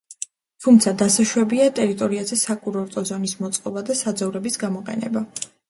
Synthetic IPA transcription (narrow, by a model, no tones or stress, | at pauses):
t̪ʰumt̪sʰad̪asaʃwɛbiat̪ʼɛɾit̪ʼɔɾiazɛsakʼuɾɔɾt̪ʼɔzɔnismɔt̪sʼqʼɔbad̪asad̪zavɾɛbisɡamɔqʼɛ̰nɛ̰ba